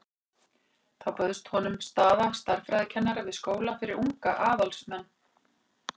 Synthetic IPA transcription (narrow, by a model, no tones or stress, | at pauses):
θawpœðʏst̪hɔnʏmst̪aːðast̪aɾ̥fɾɛjðcʰɛnːaɾɪvɪðskoːwlafɪɾɪɾuŋkaʔaːðalsmɛnː